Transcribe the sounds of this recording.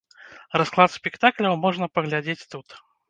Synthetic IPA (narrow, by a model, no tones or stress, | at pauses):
rasklˠat̪spʲikt̪aklʲɐwmɔʐnɐpɐɣlʲad͡zʲet͡sʲt̪ut̪